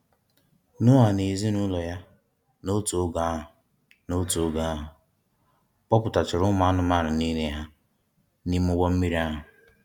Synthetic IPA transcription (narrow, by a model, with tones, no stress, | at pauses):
nʊ˦ɦa˨ne˨zi˦nʊ˦lɔ˨ja˦ | no˦to˨˦ɡa˨˦a˦ɦʊ˨ | no˦to˨˦ɡa˨a˦ɦʊ˨ | k͡pɔ˦pʊ˨ta˨t͡ʃɪ˨ɾʊ˦ma˦a˦nʊ˦ma˦˨ɾʊ˨niː˦ne˦ɦa˦ | ni˦m˦ʊ˦ɡɔ˦m̩˦mi˦ɾi˦a˦ɦʊ˨